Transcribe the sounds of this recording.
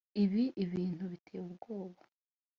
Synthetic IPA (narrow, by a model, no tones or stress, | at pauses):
iβiʔiβiːn̥huβitʰeːubɡoːβa